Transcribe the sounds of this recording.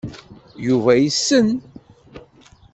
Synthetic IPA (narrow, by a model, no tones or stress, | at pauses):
juvæjisːən